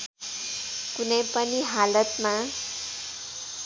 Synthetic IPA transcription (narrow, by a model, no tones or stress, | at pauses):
kunʌjpʌniɦalʌt̪ma